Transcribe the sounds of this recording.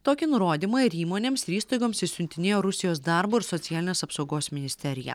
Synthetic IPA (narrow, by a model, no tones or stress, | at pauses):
t̪oːkʲɪnʊɾoːd̪ʲiːmɑɪɾiːmoːnʲeːmsɾʲiːst̪ɐɪɡoːmsɪsʲʊnʲt̪ʲɪnʲeːjoːɾʊsʲɪjoːsd̪ɐˑɾboːɪɾsɔt̪ʲɪjæːlʲɪnʲeːsɐpsɒʊɡoːsmʲɪnʲɪsʲt̪ʲɛɾʲɪjɛ̰